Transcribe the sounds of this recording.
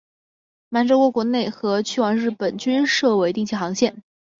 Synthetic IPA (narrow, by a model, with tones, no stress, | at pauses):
ma˧˥nʈ͡ʂo˥ʊkwɔ˧˥kwɔ˧˥ne˥˩ɪxɤ˧˥t͡ɕʰy˥wɑ˧˥ŋɻɻ̩˥˩pə˨˩nt͡ɕy˥nʂɤ˥˩we˧˥ɪt̪i˥˧t͡ɕʰi˥˩xɑ˧˥ŋɕjɛ˥˩n